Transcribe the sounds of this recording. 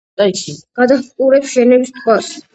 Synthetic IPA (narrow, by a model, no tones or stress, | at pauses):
d̪aikʰiɡ̥ad̪aχkʼuɾɛpsʒ̥ɛnɛbist̪ʼqʰʼwas